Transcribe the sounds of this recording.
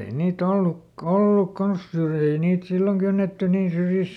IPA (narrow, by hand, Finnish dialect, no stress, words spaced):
ei niːt olːuk olːuk kɑns syrjiː ei niːt silːoŋ kynːetːy niːn syrjist̆